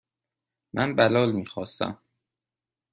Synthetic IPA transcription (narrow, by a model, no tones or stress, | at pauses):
mʔænbælɒːlmiːxɒːst̪æ̰m